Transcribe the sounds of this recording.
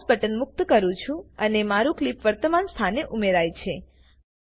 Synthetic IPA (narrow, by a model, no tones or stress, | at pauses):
sbəʈənmʊk̚t̪kəɾũt͡ʃʰũənemaɾũklipʋəɾt̪əmanst̪ʰaneʔumeɾajt͡ʃʰe